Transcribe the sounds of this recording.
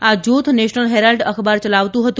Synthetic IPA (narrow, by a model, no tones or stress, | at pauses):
ad͡ʒut̪ʰneʃnəlɦɛɾalɖəkʰbaɾt͡ʃəlaʋt̪ũɦət̪ũ